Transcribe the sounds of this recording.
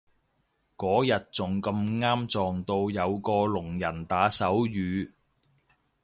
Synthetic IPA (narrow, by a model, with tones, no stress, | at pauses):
kɔː˨˥jɐ˨t̚t͡sʊ˨˩ŋkɐ˧mŋaː˥mt͡sɔː˨˧ŋt̪o˧wjɐ˨˧wkɔː˧lʊ˨˩ŋjɐ˨˩nt̪aː˨˥sɐ˨˥wjyː˨˧